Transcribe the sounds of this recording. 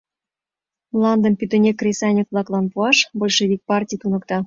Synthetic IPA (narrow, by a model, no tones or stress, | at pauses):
mlɑnd̪əmpyt̪ə̆nʲekːrʲesɑnʲekβlˠɑklɑnpuɑʃbolʲʃeβik̚pɑrtʲijt̪unɤ̆kt̪ɑ